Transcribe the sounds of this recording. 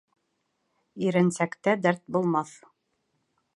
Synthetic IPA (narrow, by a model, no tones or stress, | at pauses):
iɾɘ̆nsækt̪æd̪æɾt̪̚bulˠmɑθ